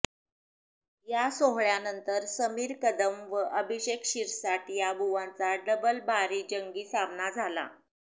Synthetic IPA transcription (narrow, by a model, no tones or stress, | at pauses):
jasoɦɭjanənt̪əɾsəmiːɾkəd̪əmʋəʔəbʱiɕekɕiɾsaʈ̪jabʱuʋãnt͡saɖəbəlbaɾiːd͡ʑəŋɡiːsamnad͡zʱala̰